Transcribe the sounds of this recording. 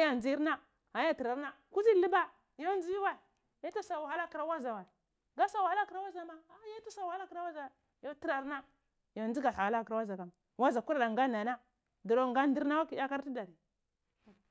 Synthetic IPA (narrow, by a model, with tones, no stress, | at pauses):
a˦ja˦nd͡zi˦ɾna˦ | a˨ja˦ti˨ɾa˨ɾna˦ | ku˦zi˦li˦ba˦ | jo˦n˦d͡zi˦i˦wa˦˨i˨ | ja˦ta˦sa˨wa˨ha˦la˦ki˨ɾa˦wa˦za˨wa˨i˨ | ɡa˦sa˨wa˨ha˦la˦ki˨ɾa˦wa˦za˨ma˦a˦ja˦tu˦sa˨wa˨ha˦la˦kɾa˦wa˦za˨a˨ | jo˦ti˦ɾa˨ɾna˦ | jo˨n˦i˦ɡa˨a˨a˨la˦˨kɾa˦wa˦za˨ka˨m | wa˦za˨ku˦ɾa˨da˨ŋɡa˦na˨˦na˦ | du˨ɾo˦ŋɡa˦n˦di˦ɾna˦wa˦ki˨ja˦ka˦ɾti˦da˨ɾi˨